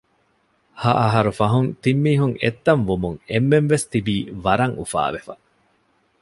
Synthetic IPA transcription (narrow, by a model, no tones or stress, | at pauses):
hɐʔɐɦɐɾufɐɦunt̪imːiːɦuŋet̪ːɐɱʋumuŋemːenʋest̪ibiːʋɐɾɐŋufa̰ːʋefɐ